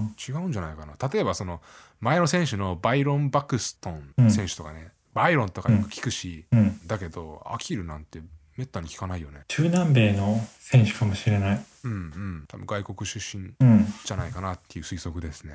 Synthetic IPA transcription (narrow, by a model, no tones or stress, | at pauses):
t͡ɕiɡaɯ̟̃ɲ̟d͡ʑanaikanat̪at̪o̞ebaso̞no̞ | mae̞no̞sẽ̞ɰ̃ɕɨno̞baiɾõ̞mbakɯ̟sɨ̥t̪õ̞ñsẽ̞ɰ̃ɕɨ̥t̪o̞ka̰ne̞ | b̥aiɾõ̞nt̪o̞kajjõkɯ̟̥kʲi̥kɯ̟ɕiɯ̃d̪ake̞d̪o̞̰a̰kʲiɾɯ̟nãnt̪e̞me̞t̪ːaɲ̟ikʲi̥kanaijo̞ne̞t͡ɕɨːnãmbe̞ːno̞sẽ̞ɕɨ̥kamo̞ɕiɾe̞naiɯ̟̃ɴɯ̟̃ɴt̪ʰabɯ̟̰̃ŋɡaiko̞kɯ̟ɕɨɕːĩnɯ̃d͡ʑanaikanat̪ːe̞iɯ̟ːsɨiso̞kɯ̟d̪e̞sɨ̥ne